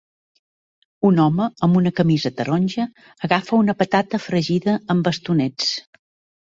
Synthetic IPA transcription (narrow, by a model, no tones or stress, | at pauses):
unɔməəmbunəkəmizət̪əɾonʲʒəː | ɣafəunəpət̪at̪əfɾəʒiðəəmbəst̪unɛt͡s